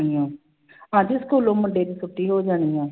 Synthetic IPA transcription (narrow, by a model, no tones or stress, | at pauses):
iɛ̃ː | ɦãːd͡ʒiːʊskoːlõːmʊɳɖeːd̪iːsʊʈːiːɦoːd͡ʒaːniːɛ̃ː